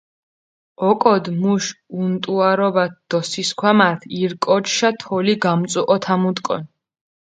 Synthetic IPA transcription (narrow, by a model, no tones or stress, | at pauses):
ɔkʼɔd̪muʃunt̪ʼuaɾɔbat̪̚d̪̥ɔsiskʰwamaɾt̪ʰiɾkʼɔt͡ʃʃat̪ʰɔliɡamt̪sʼuʔʼɔt̪ʰamut̪ʼkʼɔ̰n